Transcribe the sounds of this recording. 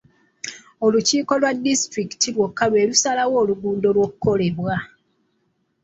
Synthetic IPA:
o̞luciːko̞lwadːistɾiki̥tilwokːaβe̞ːlusalawo̞ːluɡuːndo̞lwo̞kukːo̞le̞βwa

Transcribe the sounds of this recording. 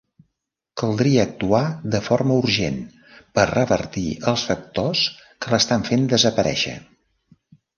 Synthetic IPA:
kəlˠd̪ɾiəːk̚t̪uaðəfoɾməuɾʒen | pərəβə̰ɾt̪iəlˠsfək̚t̪oskələst̪aɱfend̪əzəpəɾɛ̰ʃə̰

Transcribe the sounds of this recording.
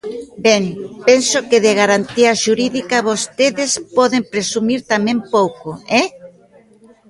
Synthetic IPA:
bɛŋpensʊkɪðɪɣ̞aɾant̪iɐʃuɾiðikɐβost̪eðespɔðempɾesumiɾt̪amẽmpowkoɛ

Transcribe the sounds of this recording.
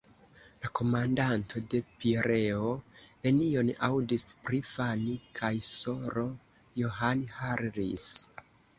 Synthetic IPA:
lako̞mandantʰo̞de̞piɾe̞o̞me̞nio̞nawdispɾifanikʰajso̞ɾo̞ | joɦanhaɾɾis

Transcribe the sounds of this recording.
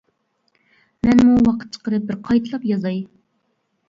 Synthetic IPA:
mɛnmuwɑqʰə̥t̪̚t͡ʃʰə̥qəɾɨp̚bɪɾqʰɑjt̪ʰɨlˠɑpjɑzɑj

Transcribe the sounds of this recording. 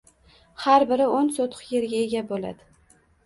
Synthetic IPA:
haɾbɪɾɪonsot̪ʰje̞ɾɡʲae̞ɡʲabola̰d̪ɪ

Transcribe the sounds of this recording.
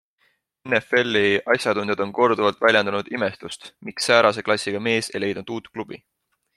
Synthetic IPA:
enːefe̞lːiʔɑsʲjɑt̪und̪jɑd̪̥o̞nko̞rd̪uvɑlt̪ˑvælʲjɑnd̪̥ɑnud̪̥ime̞st̪ust̪miksːæːɾɑs̬e̞klɑsʲːiɡ̥ɑme̞ːse̞̰jle̞jd̪nud̪̥uːt̪klub̥ḭ

